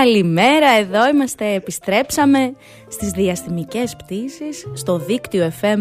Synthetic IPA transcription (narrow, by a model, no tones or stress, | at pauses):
ɐlime̞ɾɐe̞ðo̞imɐst̪e̞ːpist̪ɾe̞psɐme̞ | st̪izðiɐsθimice̞spt̪isisːt̪o̞ðikt̪io̞e̞fe̞m